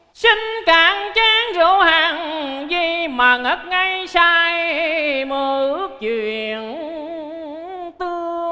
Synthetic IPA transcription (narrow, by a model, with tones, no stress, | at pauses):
si˧ŋ̟kaː˨˦ŋt͡ɕaː˧˦ŋzo˧˦haː˨˩ŋzi˧˩maː˨˩ŋə˦˥k̚ŋa˧jsaː˧jməː˨˧˩ʔɨ˦˥ək̚t͡ɕwḭ˧˨ən | t̪ɨ˧əə